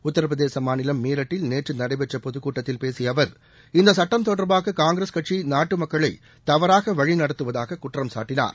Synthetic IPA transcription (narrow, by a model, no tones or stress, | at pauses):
ʊt̪ːɐɾɐʋɐðeːsɐmaːnɪlɐmːeːɾɐʈːɪlneːʈrɯnɐɽɐɪbɛʈːɐpɔðɯkːuːʈːɐt̪ːɪlpeːsɪjɐʋɐɾ | ɪnd̪ɐsɐʈːɐmt̪ɔɽɐɾbaːɣɐkaːŋɡɾɐskɐʈt͡ʃinaːʈːɯmɐkːɐɭɐɪ | t̪ɐʋɐɾaːɣɐʋɐɻinɐɽɐt̪ːɯʋɐðaːɣɐkʊʈrɐmsa̰ːʈːɪna̰ːɾ